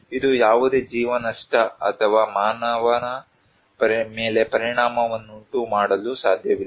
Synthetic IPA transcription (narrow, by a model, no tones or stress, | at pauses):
id̪ujaːʋud̪e̞ːd͡ʒiːʋɐnɐʂʈɐɐ̰t̪ʰɐʋaːmaːnɐʋɐnɐ | pɐɾme̞ːle̞pɐɾiɳaːmɐʋɐnːuɳʈumaːɽɐlusaːd̪ʱjɐʋilː